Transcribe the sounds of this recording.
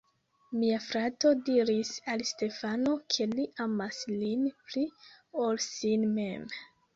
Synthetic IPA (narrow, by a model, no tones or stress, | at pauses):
miafɾato̞diɾisalste̞fano̞kʰe̞liʔamaslinpliolsinme̞m